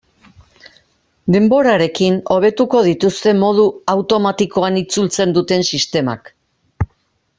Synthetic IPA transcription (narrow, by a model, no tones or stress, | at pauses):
d̪e̞mbo̞ɾaɾe̞kino̞β̞e̞t̪uko̞ðit̪ust̪e̞mo̞ð̞uawt̪o̞mat̪iko̞anit͡sult͡se̞nd̪ut̪e̞nsist̪e̞ma̰k